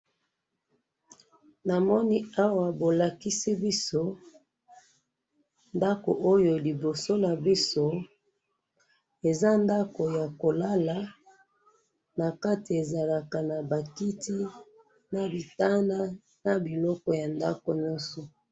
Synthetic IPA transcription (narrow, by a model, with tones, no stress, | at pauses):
na˨mɔ˦ni˦a˦wa˨bo˨la˨ki˦si˦bi˦so˦ | nda˦ko̰˨ʔo˦jo˨li˨bo˨so˦na˨bi˦so˦ | e˨za˦nda˦ko˨ja˨ko˨la˦la˨ | na˨ka˦ti˨e˨za˨la˨ka˨na˨ba˨ki˦ti˦ | na˨bi˨ta˦nda˦ | na˨bi˨lɔ˦kɔ˨ja˨nda̰˦ko˨ɲɔ̃˦nsɔ˨